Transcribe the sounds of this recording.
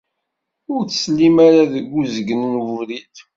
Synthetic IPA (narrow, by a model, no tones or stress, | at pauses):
ʊɾθslːimaɾaðəɡːuzəɡənənvuɾiθ